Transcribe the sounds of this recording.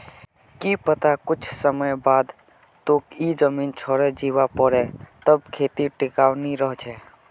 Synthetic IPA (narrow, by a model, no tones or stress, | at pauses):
kipət̪akʊt͡ʃʰsəməjbad̪ | t̪okid͡ʒəmint͡ʃʰɔɾɛd͡ʒiʋapəɾɛt̪əb̚kʰet̪iʈikawniɾəɦt͡ʃʰɛ